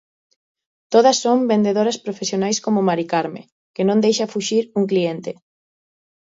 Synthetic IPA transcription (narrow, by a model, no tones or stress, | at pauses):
t̪oð̞ɐsːombend̪eðoɾɐspɾofesjonajskomʊmaɾikaɾmḛ̃ | kenõnd̪ejʃafuʃiɾuŋklient̪e